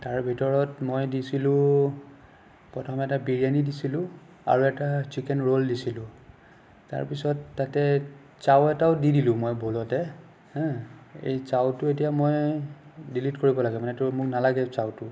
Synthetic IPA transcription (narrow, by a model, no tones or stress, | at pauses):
taɹbʱitɔɹɔtmojdisilʊ̃ | pɔtʰɔmɛtabiɹijanidisilʊ̃ | a̰ɹuɛtat͡ʃikɛnɹoldisilʊ̃ | ta̰ɹpisɔtːatɛ | t͡ʃawɛtaʊdidilʊ̃mojbʱolɔtɛ | hɛ̃ḛjt͡ʃawtʊetijamoj | dilitkoɹibɔlaɡɛmanɛtʊmʊknalaɡɛt͡ʃawtʊ